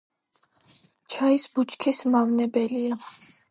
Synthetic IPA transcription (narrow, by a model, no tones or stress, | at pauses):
t͡ʃʰaisbut͡ʃʰkʰismavnɛbɛlia